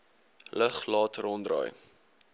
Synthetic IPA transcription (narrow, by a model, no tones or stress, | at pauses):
ləχlɑːtrɔndrɑ̰ːj